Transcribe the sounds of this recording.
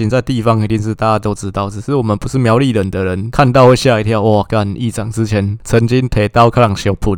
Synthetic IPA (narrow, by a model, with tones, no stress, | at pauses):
i˨˦nt͡sa˥˧ɪt̪i˥˧fɑ˦˥ŋi˨˧˥t̪i˥˧ŋʂ̬̩˥˧t̪a˥˧t͡ɕa˥˧t̪ɔ˥ʊt͡sɹ̩˥t̪ɑ˥˩ʊt͡s̩˨˩ʂɻ̩˥˩˨wɔ˨˩mə˨npu˧˦ʂ̩˥˩mja˨˧˥ʊli˥˨lə˨˩nd̪ə˨ɻə˧˦nkʰa˥˧nt̪ɑ˥˧ʊwe˥˧ɕja˥˧i˧˥t̪ʰja˥˧ʊʔɔ˥˨˩ka˥˧ni˥˩t͡sɑ˨˩ŋt͡sɹ̩˦t͡ɕʰjɛ˨˧˦nt͡sʰə˧˦ŋt͡ɕi˦˥ŋt̪ʰe˧˩t̪a˥ʊkʰa˥lɑ˨˩ŋɕjɔ˧˩ʊpʰu˨˩